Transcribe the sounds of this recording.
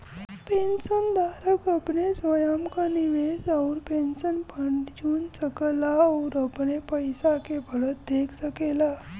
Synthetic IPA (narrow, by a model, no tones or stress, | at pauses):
penɕənd̪aɾəkəpnesʋəjamkaniʋed͡zauɾpenɕənpəɳʈd͡ʑuːnt͡səkəlaoɾəpɳepəjsakebʱəɭət̪̚d̪eksəkela